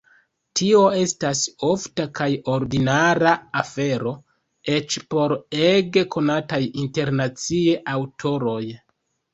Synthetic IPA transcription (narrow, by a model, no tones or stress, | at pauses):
tʰio̞e̞staso̞ftakajo̞ɾdinaɾaːfe̞ɾo̞ | e̞t͡ʃpo̞ɾeɡe̞kʰo̞natajinte̞ɾnat͡sie̞ʔawtʰo̞ɾo̞j